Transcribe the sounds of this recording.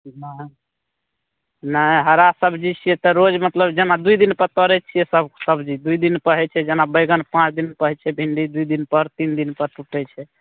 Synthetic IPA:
nə | nəɦəɾasəbʱd͡ʒit͡ʃʰijɛt̪ɔɾod͡ʒmət̪ləbd͡ʒenad̪uid̪inpəɾt̪ɔɾɛt͡ʃʰijɛsəbsəbd͡ʒid̪uid̪inpəɦɛt͡ʃʰɛd͡ʒenabəjɡənpãt͡ʃʰd̪inpəɦɛt͡ʃʰɛbʱiɳɖid̪uid̪inpəɾt̪ind̪inpəɾʈuʈɛt͡ʃʰɛ

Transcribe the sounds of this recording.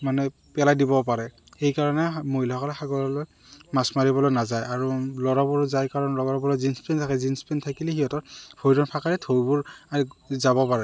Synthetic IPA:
manɛ | pɛlajdibɔpaɹɛ | xejkaɹɔnɛmojlɔɔkɔlɛxaɡɔɹɔloj | masmaɹibɔlojnazajaɹulɔɹabɔɹzajkaɹɔnlɔɡɔɹɔbɔlɔzinspɛntʰakɛzinspɛntʰakilixijɔtɔtbʰʱojdɔnpʰakaɹitʰobʊɹazabɔpaɹɛ

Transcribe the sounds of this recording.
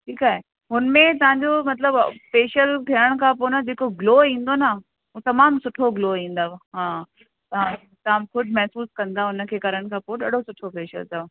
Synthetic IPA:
ʈʰiːkaːɦe | ɦʊnmẽt̪ɐʋ̤ãɲd͡ʑomɐt̪ləbfeːʃəlt̪ʰiəɽ̃kʰãːp̬onad͡ʑeːkoɡloːĩːn̆d̪ona | ɦũt̪ɐmaːmsʊʈʰoɡloːĩːn̆d̪aʋɦãː | t̪ɐã | t̪ɐãmkʊɖʱmɛɦsuːskɐ̃nd̪aʊnə̆kʰeːkɐɾəɽ̃kʰãːpooɗa̰ːɽosʊʈʰofeːʃə̰lt̪a

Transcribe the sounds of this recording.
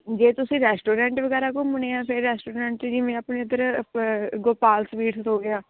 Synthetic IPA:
d͡ʒeːt̪ʊsĩːɾɛːsʈoːɾɛ̃ːɳʈʋəɡɛːɾaːkoːməneːɛ̃ːpʰɪɾːɛːsʈoːɾɛ̃ːɳʈt͡ʃd͡ʒiːmɛ̃ːaːpneːəd̪əɾ | ɡoːpaːlsʋiːʈoːɡɪaː

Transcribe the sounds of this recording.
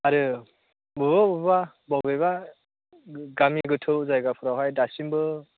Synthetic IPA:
aɾɯ | bɯbabɯba | bɔbeβa | ɡamiɡɯtʰɯwzajɡapʰuɾawɦajdasimbɯ

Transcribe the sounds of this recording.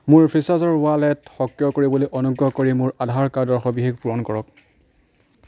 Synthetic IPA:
mʊɹpʰɹisazɔɹwalɛtxɔkɹjɔkoɹibɔlojʔɔnuɡɔkoɹimʊɹadʱaɹkadɔɹxɔbixeɡpuɹɔnkɔɹɔk̚

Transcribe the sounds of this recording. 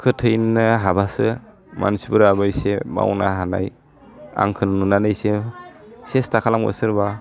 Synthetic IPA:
kʰɯtʰɯjnɯɦabasɯ | ma̰nsipɯɾabɯjsema̰wna̰ɦana̰j | a̰ŋkʰɯnnunanɯjse | sestʰakʰalamɡɯ̰sɯɾba

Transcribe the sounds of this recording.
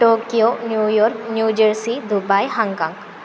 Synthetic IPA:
ʈoːkijonjujɔɾknjud͡ʒəɾsid̪ubajhaŋkãŋɡ

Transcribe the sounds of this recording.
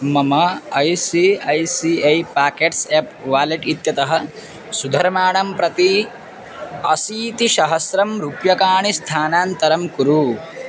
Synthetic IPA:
mɐmɐɐjsiɐjsiejpaːkeʈseːpʋaːleʈit̪jɐt̪ɐɦɐ | sud̪ʱɐɾmaːɳɐmpɾɐt̪i | ɐsiːt̪iʃɐɦɐsɾɐmɾuːpjɐkaːɳist̪ʰaːnaːnt̪ɐɾɐmkuɾu

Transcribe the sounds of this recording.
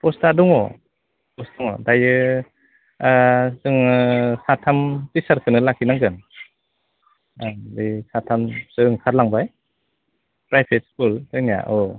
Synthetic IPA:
pɔstaduŋɔ | pɔstɔŋɔ̰dajɯ | sɯŋsatʰamtisaɾkʰɯnɯlakʰinaŋɡɯn | disatʰamsɯŋkʰaɾlaŋbaj | pɾajpʰet̚skultɯnija̰ʔɔ

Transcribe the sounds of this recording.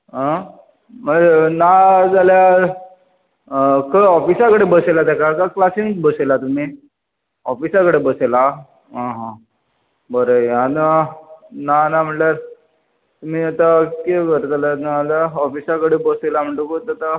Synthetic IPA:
ɦə̃ | m̤əenad͡zalja | kəɔfisakəɽebəselat̪akakaklasiŋbəselat̪um̤i | ɔfisakəɽebəsela | ɦãɦã | bəɾəan | nanam̤əʈlaɾ | t̪um̤iat̪akeɡəɾd͡zalanaalaɔfisakəɽebəselam̤əɳʈokot̪at̪a

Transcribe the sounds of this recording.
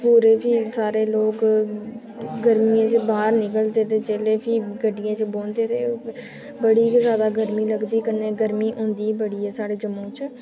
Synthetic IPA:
puːɾeːpʰiːsaːɾeːloːk | ɡəɾmijãːt͡ʃbaːɾnɪkəlt̪eːt̪eːt͡ʃeːleːpʰiːɡəɖɪjãːt͡ʃboːnt̪eːt̪eː | bəɽiːkzaːd̪aːɡəɾmiːləɡd̪iːkəneːɡəɾmiːʔõːnd̪iːbəɽiːɦɛːsaːɽeːd͡ʒəmõːt͡ʃ

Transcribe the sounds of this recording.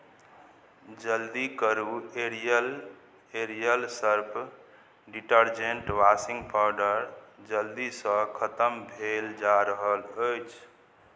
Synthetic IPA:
d͡ʒəld̪ikəɾueɾjəl | eɾijəlsəɾpʰ | ɖiʈəɾd͡ʒeɳʈʋasĩŋɡpʰaɖəɾd͡ʒəld̪isə̃kʰət̪əmbʱeld͡ʒaɾəɦələjt͡ʃʰ

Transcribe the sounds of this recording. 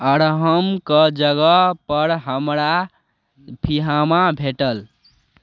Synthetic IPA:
əɾɦəmkəd͡ʒəɡəpəɾɦəmɾa | pʰiɦamabʱeʈəl

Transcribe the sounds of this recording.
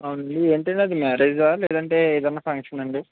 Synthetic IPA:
ɐwunɐɳɖieːɳʈɐɳʈeɐd̪imɛːɾeːd͡ʒaːleːd̪ɐɳʈeːd̪ɐnːaːpʰɐŋkʂɐnɐɳɖi

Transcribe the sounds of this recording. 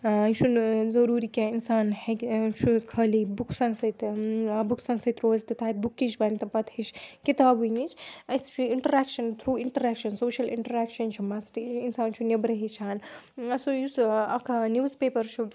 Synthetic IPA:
t͡ʃʰuzɐɾuːɾikʲaːinsaːnhekt͡ʃʰukʰɐːlibukʰsɐnsɐt̪buksɐnsɐt̪ɾoːzt̪ɨt̪ʰaːj̚bukːiʃbɐnt̪ɐpɐt̪ʰhiʃkit̪aːbunit͡ʃʰɐst͡ʃʰuɪɳʈɐɾɛkʃɐnt̪ʰɾuːɪ̃ɳʈɐɾɛːkʃɐnsoːʃɐlɪ̰̃ɳʈɐɾɛːkʃɐnt͡ʃʰumɐsʈiinsaːnt͡ʃʰunibɾɐɦit͡ʃʰaːnɐsojusɐkʰnjuːzpeːpɐɾt͡ʃʰu

